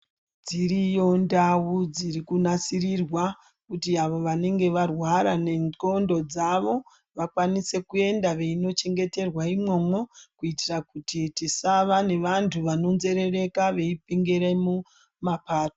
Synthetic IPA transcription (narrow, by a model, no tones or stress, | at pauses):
d͡ziɾijo̞ndawud͡zirikunasirirwa | kutiaʋo̞ʋane̞ŋɡe̞ʋarwaɾane̞no̞ndo̞d͡zaʋo̞ | ʋakwanise̞kue̞ndaʋe̞ino̞t͡ʃe̞ŋɡe̞te̞rwaimwo̞mwo̞kuitirakutitisaʋane̞ʋantʰuʋano̞nze̞ɾe̞re̞kaʋe̞ipiŋɡeɾemu | mapaːto